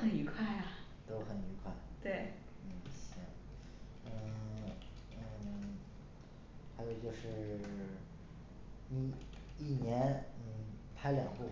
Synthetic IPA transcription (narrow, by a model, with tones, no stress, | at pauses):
xə˨˩ni˧˥kʰwa˥˩ɪa˩ | t̪o˥ʊxə˨˩ni˧˥kʰwa˥˩ɪt̪we˥˩ɪ | n̩˥˩ɕɛ˥˩ŋ | n̩˥˩˥ | xa˧˥ɪjo˨˧ʊt͡ɕjo˥˧ʊʂɻ̩˥˩ | ni˨˩ | i˥˩njɛ˧˥nn̩˥˩pʰa˥ɪljɑ˨˩ŋxu˥˩